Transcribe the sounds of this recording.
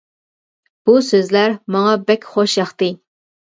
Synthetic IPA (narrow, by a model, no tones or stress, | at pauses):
b̥usøzlæɾmɑŋɑbɛkʲχoʃjɑχt̪ɨ